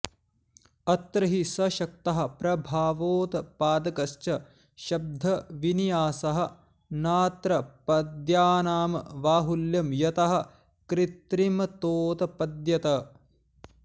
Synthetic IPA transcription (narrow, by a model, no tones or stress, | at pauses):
ɐt̪ɾɐɦisɐʃɐk̚t̪ɐɦɐ̆pɾɐbʱaːʋoːt̪ɐpaːd̪ɐkɐʃt͡ʃɐ | ʃɐb̚d̪ʱɐʋinijaːsɐɦɐ̆ | naːt̪ɾɐpɐd̪jaːnaːmɐʋaːɦuljɐmjɐt̪ɐɦɐ̆ | kɾit̪ɾimɐt̪oːt̪ɐpɐd̪jɐt̪ɐ